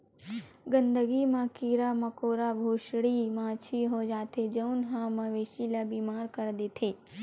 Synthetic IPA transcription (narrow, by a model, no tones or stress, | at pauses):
ɡə̃nd̪əɡimãːkiːɾamɐkoːɾabʱoːʃɽimãːt͡ʃʰiɦod͡ʒaːt̪ed͡ʒɐʊnɦãmɐ̃ʋeːʃilabiːmaːɾkɐɾd̪eːt̪ʰeː